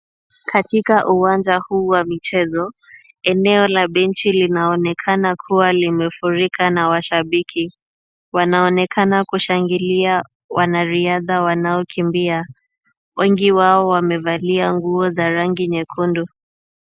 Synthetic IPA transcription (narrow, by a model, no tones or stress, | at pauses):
katikaʔuwand͡ʒahuːwamit͡ʃɛzɔ | ɛnɛɔlaɓɛnt͡ʃilinaɔnɛkʰanakʰuwalimɛfuɾikanawaʃaɓikʰi | wanaɔnɛkʰanakuʃaŋɡilia | wʔanaɾiaðawanaɔkʰimbia | wʔɛŋɡiwaɔwamɛvaliaŋɡuɔzaɾaŋɡiɲɛkʰundu